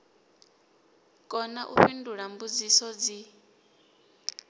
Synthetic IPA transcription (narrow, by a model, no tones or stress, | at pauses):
kʼɔnaʔṵɸinduɺambud͡zisɔd͡zi